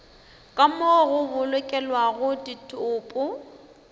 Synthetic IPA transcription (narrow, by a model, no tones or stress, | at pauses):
kʼamoɣʊbʊlɛkʼɛlwaɣʊditʰʼʊːpʼʊ